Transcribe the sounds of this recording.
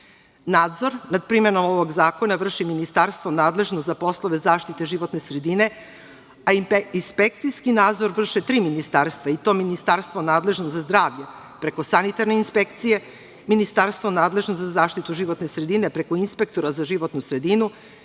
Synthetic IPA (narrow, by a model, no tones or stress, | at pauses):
naːd̪zo̞ɾnad̪̚pɾimenomoʋoɡzaːko̞naʋr̩ʃiminist̪aɾst̪ʋonaːd̪le̞ʒnozapo̞slˠoʋe̞zaːʃt̪it̪eʒiʋo̞t̪ne̞sɾed̪ine̞ | aispek̚t̪sijskinaːd̪zo̞ɾʋr̩ʃet̪ɾiːminist̪aɾst̪ʋait̪o̞ːminist̪aɾst̪ʋonaːd̪le̞ʒnozazd̪ɾaːʋʎe | pɾe̞ko̞sanit̪aɾne̞inspekt̪sije̞ | minist̪aɾst̪vʋonaːd̪le̞ʒnozazaːʃt̪it̪uʒiʋo̞t̪ne̞sɾe̞d̪ine̞pɾe̞koinspek̚t̪o̞ɾazaʒiʋo̞t̪nusɾe̞d̪inu